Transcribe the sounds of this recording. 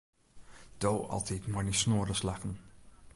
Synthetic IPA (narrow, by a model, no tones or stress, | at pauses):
d̥oːɑ̰lˠtitmɔnisnoːɾəslaχən̩